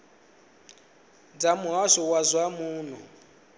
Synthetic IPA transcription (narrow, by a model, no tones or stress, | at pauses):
d͡zamuɦasɔwazwamuːnɔ